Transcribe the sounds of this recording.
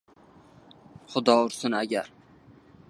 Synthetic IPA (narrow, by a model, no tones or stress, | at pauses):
χʊd̪ɒʊɾsʊnaɡʲaɾ